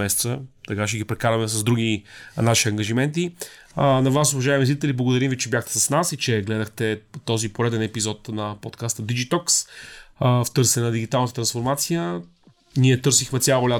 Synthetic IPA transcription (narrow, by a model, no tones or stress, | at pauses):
ɛsɛt̪sət̪ɐkaʃɛɡipɾɛkaɾɐmɛsɐzd̪ɾuɡ̟inaʃiɐŋɡɐʒimɛnt̪i | nɐvasovɐʒaɛmizlit̪ɛliblˠɐɡod̪ɐɾimvit͡ʃɛbjaxt̪ɛ̥sɐsnasit͡ʃɛɡlɛd̪əxt̪ɛt̪ɔzipoɾɛd̪ɛnɛpizɔt̪nɐpot̪kast̪əd̪id͡ʒit̪ɔks | ft̪ɤɾsɛnnɐd̪iɡit̪alˠnət̪ət̪ɾɐnsfoɾmat̪sijə | niɛt̪ɤɾsixmɛt̪sʲjalˠolʲa